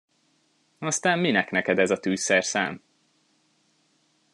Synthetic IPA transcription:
ɒst̪aːmːinɛknɛkɛd̪ɛzɒt̪yːsːɛrsa̰ːm

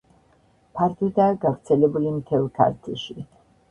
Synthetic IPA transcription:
pʰaɾd̪ud̪aːɡavɾt̪sʰɛlɛbulimt̪ʰɛvkʰa̰ɾt̪ʰɛʃi

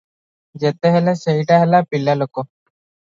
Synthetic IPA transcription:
d͡ʒɛt̪ɛɦɛlɛseiʈaɦɛlapilalokɔ

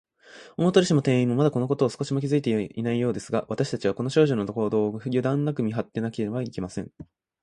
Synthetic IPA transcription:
omot̪oɾʲiɕimo̞t̪ẽ̞ɰ̃ĩmːo̞mad̪ako̞no̞ko̞t̪o̞ːsɨ̥ko̞ɕimokʲizɨit̪e̞inaijo̞ːd̪e̞sɨɡaat̪aɕi̥t̪at͡ɕiβ̞ako̞no̞ɕo̞ːʑoːnot̪o̞ko̞d̪o̞ːɸɯ̟ɯ̟d̪ãnːakɯ̟mʲiɦat̪ːe̞nake̞ɾebaikʲe̞masẽ̞ŋ

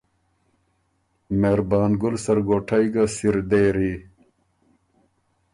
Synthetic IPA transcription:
meːɾbaːnɡulsɐɾɡoːʈʰɐjɡasiɾd̪eːɾiː

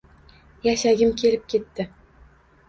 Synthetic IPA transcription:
jaʃaɡʲɪmkʲʰe̞lɪp̚kʲʰe̞t̪ːɪ

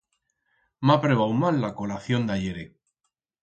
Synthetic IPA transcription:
mapɾeβawmalːakolaθjo̞nd̪aʎeɾe

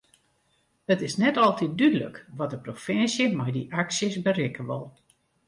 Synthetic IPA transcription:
ətɪsnɛtɔlˠtit̚dydələ̰kʋɔt̚dəprofɪnsjəmɛjdḭʔaksjəsbərɪkəʋɔ̰lˠ

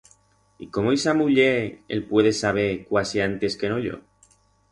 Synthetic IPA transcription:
iko̞moisamuʎeḛlpwe̞ðesaβ̞e̞kwasiant̪e̞skenoʎo̰

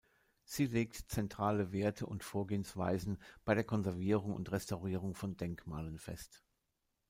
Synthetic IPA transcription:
z̥iːleːk̚tt͡sɛntʁ̥aːləveːɐtʰəʊntfoːɐɡeːənsv̥aɪzn̩b̥aɪɾeːɐkʰɔnzɛɐviːʁʊŋʊ̰ntʁɛstaʊʁiːʁʊŋfɔndɛŋkma̰ːlənfɛ̰st

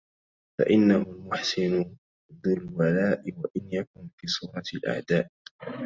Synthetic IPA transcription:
fa̰ʔɪnːahʊlmʊħsɪnʊ | ðɪwalaːʔɪwaʔɪnjakʊmfiːsˤuːɾˤɑlʔa̰ʕd̪aːʔ

